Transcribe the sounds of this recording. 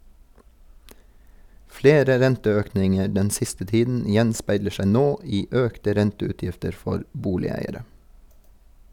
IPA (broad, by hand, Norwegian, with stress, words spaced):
ˈfleːɾə ˈɾɛntəˌøːknɪŋə ˈɖɛn ˈsɪstə ˈtiːdn̩ ˈjɛnspæɪlə ˈʃæɪ ˈnoː ˈiː ˈøːktə ˈɾɛntəʉːˌtjɪftəɾ ˈfɔɾ ˈbuːlɪˌæɪəɾə